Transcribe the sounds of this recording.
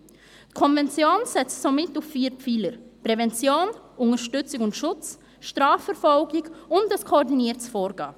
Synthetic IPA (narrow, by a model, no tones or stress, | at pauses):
tkʰɔnvɛnt͡sjoːnsɛt͡ssomɪtuffiːpfiːləɾpɾɛvɛnt͡sjoːnʊŋəɾʃtʏt͡sɪkʊntʃʊt͡s | ʃtʁaːfɛɾfɔlɡɪkʊndəskʰoɔɾdiniːətsfɔːɾɡɑ̰ː